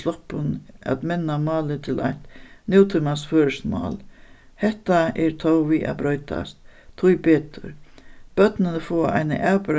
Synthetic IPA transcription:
slɔhpʊna̰t̪mɛnːamɑːlɪt̪ʰɪlʔa̰jht̪nɪwt̪ʰʏmasføːɾəsmɑ̰ːl | hɛht̪aʔɛɾt̪ʰɔwʋiːʔa̰bɾɔʏt̪a̰st̪ʰːujbeːt̪ʰʊ̰ɾb̥œt̪nɪnəfɔːʔa̰jnə̰ʔaːwpɪɾ

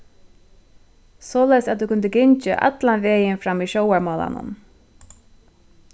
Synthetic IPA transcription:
sɔːlɛjsat̪ukʊnd̪əɡɪɲt͡ʃɪʔa̰t̪lanʋeːjɪnfɾamːiːʃɔwaɹmɔːla̰nʊ̰n

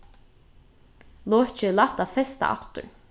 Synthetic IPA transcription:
lɔːt͡ʃɪlaht̪afɛst̪a̰ʔa̰ft̪ʊ̰ɹ

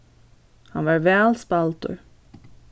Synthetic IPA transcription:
hɑnʋɑːɹʋɛlspɑlt̪ʊ̰ɹ

